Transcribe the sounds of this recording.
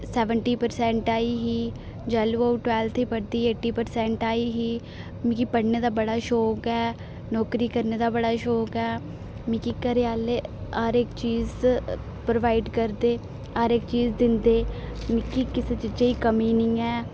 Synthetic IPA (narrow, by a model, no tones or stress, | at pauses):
sɛːʋəɳʈiːpəɾsɛ̃ːɳʈaːiːɦiː | d͡ʒɛːluoʈʋɛːlt̪ʰiːpəɽd̪iːeːʈiːpəɾsɛ̃ːɳʈaːiːɦiː | mĩkiːpəɽneːd̪aːbəɽaːʃɔːkɛː | nɔːkɾiːkəɾneːd̪aːbəɽaːʃoːkɛː | mɪkiːkəɾeaːleːaɾɪkt͡ʃiːz | pɾoʋaːɪɖkəɾd̪eː | əːɾɪkt͡ʃiːzd̪ɪnd̪eːmɪkiːkɪseːt͡ʃɪt͡ʃəiːkəmiːnĩːɛː